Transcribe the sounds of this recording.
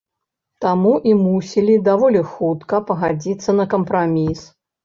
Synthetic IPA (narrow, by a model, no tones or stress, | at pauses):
t̪amuʔimusʲilʲid̪avɔlʲixut̪kɐpɐɣad͡zʲit̪sːɐnɐkɐmpɾamʲis